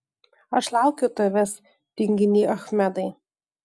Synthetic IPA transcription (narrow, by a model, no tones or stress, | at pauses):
ɐʃlˠɑʊkʲoːt̪ɐʋʲɛs | t̪ʲɪŋʲɡʲɪnʲiːʔɐxmʲæd̪ɐɪ